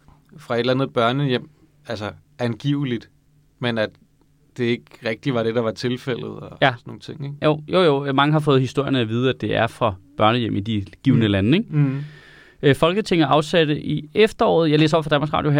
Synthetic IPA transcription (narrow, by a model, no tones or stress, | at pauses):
fʁɑ̈e̝d̥lænð̩ˠb̥ɶɐnəjem̰ | ælsə | ænɡ̥ḭːʊlid̥ | menæd̥ː | e̝e̝ɡ̥ʁɛɡ̥̚d̥iʋɑ̈ɾ̥e̝d̥ɑ̈ʋɑ̈t͡sʰe̝lfel̰ð̞̩ˠɒæsɔno̝ːŋn̩t͡sʰe̝ŋ̰eɡ̥jo̰ʊ̰jojo̝mɑ̈ŋəɦɑ̈fɔ̽ːð̞̩ˠhisd̥o̝ɐ̰jənəæʋiːð̞ˠəæd̥e̝ʔæɐfʁɑ̈b̥ɶɐnəjem̰id̥iɡ̥iːʊnəlænəe̝ŋ̥ | øfɒ̽lɡ̥ət͡sʰe̝ŋɐʔɑ̈ʊsæd̥əʔiefd̥ɐɒ̰ːð̞̩ˠjɑɪle̝ːs̬ɒ̰b̥̰fɒ̥ænmɑsʁɑ̰̈ːdjoɦæ̰ɐ